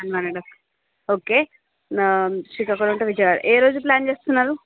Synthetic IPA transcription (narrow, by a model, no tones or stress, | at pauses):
anʋanɐɖɐ | oːke | ʂikaːkuɾuɳʈuʋid͡ʒɐʋaːɾ̰ʔeːɾo̞ːd͡ʒuplʲaːnt͡ʃeːst̪unːaːɾu